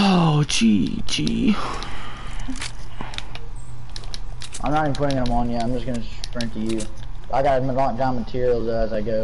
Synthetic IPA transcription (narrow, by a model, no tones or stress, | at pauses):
od͡ʒid͡ʒi | ʔãɪ̃nəɾɪipʰʊɾɪ̃ŋɨ̃ñə̃mʌ̃njæãɪ̃md͡ʒʌsɡ̥ʌnɨpɹɪ̃ŋ̚tʰɨjʉaɪɡɑtlɑ̃dãnmətʰɪɹil̩ˠzʌːzaɪɡoʊ